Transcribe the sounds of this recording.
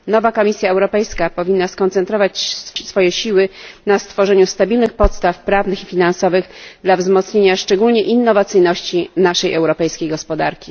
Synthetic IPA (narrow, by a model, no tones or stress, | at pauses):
nɔvakɔmʲisʲjaɛwɾɔpɛjskapɔvʲinːaskɔnt̪sɛnt̪ɾɔvat͡ɕsfɔjɛɕiwɘnast̪fɔʐɛɲust̪abʲilnɘxpɔt̪st̪afpɾavnɘxifʲinansɔvɘɣd̪lavzmɔt̪sɲeɲaʂt͡ʂɛɡulɲɛʔinːɔvat̪sɘjnɔɕt͡ɕinaʂɛjʔɛwɾɔpɛjskʲejɡɔspɔd̪aɾkʲi